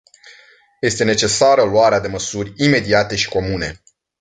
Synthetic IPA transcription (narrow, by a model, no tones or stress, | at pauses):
je̞st̪e̞ne̞t͡ʃe̞saɾəluaɾead̪e̞məsurʲime̞d̪iat̪e̞ʃi̥ko̞mune̞